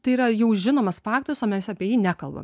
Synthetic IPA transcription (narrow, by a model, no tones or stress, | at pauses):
t̪ɐɪiːɾɐjɛʊʒʲɪnoːmɐsfɑːk̚t̪oːɾʲɪsoːmʲɛsɐpʲiɛjiːnʲækɐlˠbɐ̰m